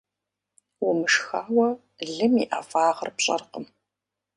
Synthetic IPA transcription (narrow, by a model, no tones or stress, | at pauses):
wʊmɨʂxaːwɐ | ɮɨmiʔafaːʁərpɕʼɐ̰rqəm